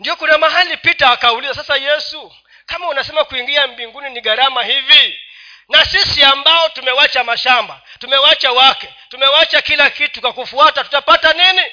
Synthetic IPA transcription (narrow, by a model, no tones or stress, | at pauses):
ndijɔkunamaɦalipitaːkaulizasasajɛsu | kamaunasɛmakuiŋɡiambiŋɡuniniɠaɾamahivi | nasisiambaɔtumɛwat͡ʃamaʃamba | tumɛwat͡ʃawakɛtumɛwat͡ʃakilakitukwakufuatatu̥tapatanini